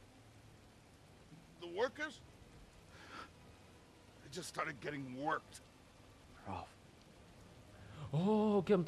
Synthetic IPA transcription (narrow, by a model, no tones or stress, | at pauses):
ðəwɜ˞kə˞z̥ | aɪd͡ʒʌststɑɹɾɨd̚ɡɛɾɪ̃ŋwɜ˞k̚tʰ | ɹɔ̰f | ookẽm